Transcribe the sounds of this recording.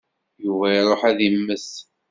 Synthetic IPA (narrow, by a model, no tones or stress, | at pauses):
juvæiɾˤoħæðimːəs